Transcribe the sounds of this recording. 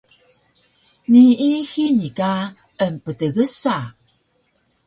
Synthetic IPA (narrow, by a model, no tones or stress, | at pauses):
niixinika | əmpətəɣəsa